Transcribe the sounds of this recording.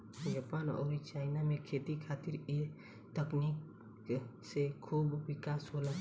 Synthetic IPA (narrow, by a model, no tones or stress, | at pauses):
d͡ʒaːpaːnɔ̰ːɾit͡ʃaːɪnamẽkʰeːt̪ikʰaːt̪ɪɾi | t̪əknik | sekʰuːbʋɪkaːsɦoːla